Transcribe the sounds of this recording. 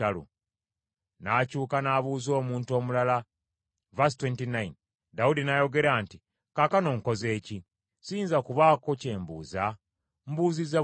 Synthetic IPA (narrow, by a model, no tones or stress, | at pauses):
alṵ | nacuːkanaβuːzo̞ːmuːnto̞ːmulala | vastwentinajn | daudinajo̞ɡe̞ɾaːnti | kakano̞ŋko̞ze̞ːci | siːnzakuβaːko̞ce̞ːmbṵːza | mbuːziza